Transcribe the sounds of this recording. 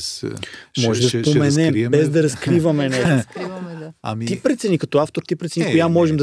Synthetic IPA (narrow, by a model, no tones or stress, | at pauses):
mɔʒɛd̪ɐpomɛnɛmbɛzd̪ɐɾɐskɾivɐmɛnɛo | t̪ipɾɛt̪sɛnikɐt̪ɔaft̪oɾt̪ipɾɛt̪sɛnikʊjamɔʒɛmd̪